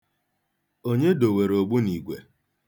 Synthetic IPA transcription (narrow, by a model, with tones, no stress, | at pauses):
o˦ɲe˦do˨we˨ɾo˨ɡ͡bu˦ni˨ɡʷḛ˨